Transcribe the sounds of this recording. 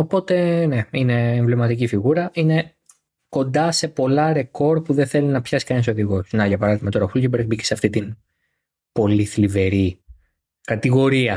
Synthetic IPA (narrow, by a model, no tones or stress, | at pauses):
o̞po̞t̪e̞ne̞ine̞ːɱvlimɐt̪icifiɣuɾɐʔine̞ | ko̞nd̪ɐse̞po̞lɐɾe̞ko̞ɾd̪̚puðenθelinɐpçɐsi̥kɐnis̬o̞ðiɣo̞sst̪inɐʝɐpɐɾɐðimɐt̪o̞ɾɐxulɟibeɾɣbiceseɐft̪it̪in | po̞liθlive̞ɾi | kɐt̪iɣo̞ɾiɐ